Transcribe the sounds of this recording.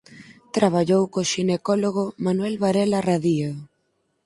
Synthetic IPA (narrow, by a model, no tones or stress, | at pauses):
t̪ɾaβaʎowkoʃinekɔloɣomanwɛlβaɾɛlaraðio